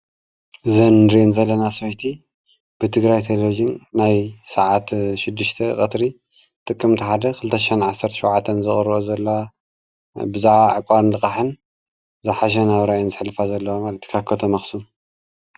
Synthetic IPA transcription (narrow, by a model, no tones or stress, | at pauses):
zɐnɾenzɐlːɐnaswɐjt̪ʰi | b̥ɨt̪ʰɨɡɾajt̪ʰellod͡ʒinːajsaʕat̪ʃɪd̪ːɨʃt̪ʰɐ̰kʼɐt̪ɾi | t̪ʼɨkʼːɨmt̪ʰiħad̪ɐkʰɨlɨt̪ʰɐʃenʕasɐɾt̪ʰɐ̥ʃɐwʕat̪ʰːɐnzɨχʼɨɾozɐlːoa | bɨzaʕaʕɨkʼaɾɨnlɨkʼaħɨn | zɨħaʃ̬ɐnaβɾajonzɨħlɨfazɐlːɐwamalɐt̪ʰi̥kʰakʰɐt̪ʰomɐxsum